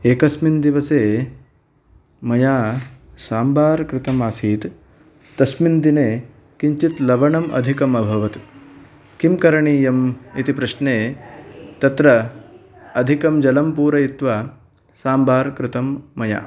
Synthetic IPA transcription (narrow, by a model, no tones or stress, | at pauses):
eːkɐsmind̪iʋɐseː | mɐjaːsaːmbaːɾkɾɪt̪ɐmaːsiːt̪ | t̪ɐsmind̪ineː | kiɲt͡ʃit̪lɐʋɐɳɐmɐ̰d̪ʱikɐmɐbʱɐʋɐt̪ | kimkɐɾɐɳiːjɐmit̪ipɾɐʃneː | t̪ɐt̪ɾɐː | d̪ʱikɐmd͡ʒɐlɐmpuːɾɐit̪ʋa | saːmbʱaːɾkɾɪt̪ɐmːɐja̰ː